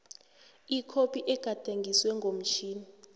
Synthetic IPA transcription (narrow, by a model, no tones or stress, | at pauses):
ikʰopʰiʔɛɡ̥ʱad̥ʱeŋɡʱiswɛŋɡʱom̩t͡ʃʰiːni